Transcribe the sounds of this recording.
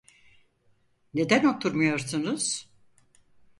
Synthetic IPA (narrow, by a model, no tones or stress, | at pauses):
ne̞d̪æno̞t̪ʰuɾmujo̞ɾsunuz̥